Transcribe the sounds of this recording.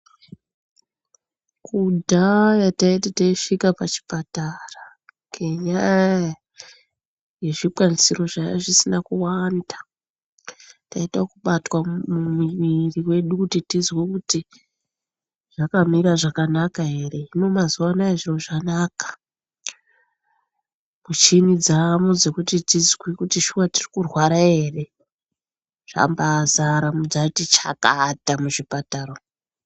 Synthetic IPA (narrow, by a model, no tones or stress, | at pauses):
kudʱajataitataiʂikapat͡ʃi̥patara | ŋɡe̞ɲaja | je̞ʐiɓwanisiro̞ʐaja̰ʐisinakuwanda | taitakuɓatwamumiʋiriwe̞ɗukutitizwekuti | ʐ̥akamiɾaʐakanakaɦe̞re̞ino̞mazuwanaeʐiro̞ʐanakḁ | mut͡ʃinid͡zamud͡zekutitizwwikutiʃuwatirikurwaɾaɦe̞re̞ | ʐ̥a̰mbazaɾamud͡zatit͡ʃa̰ka̰tamuʐipataro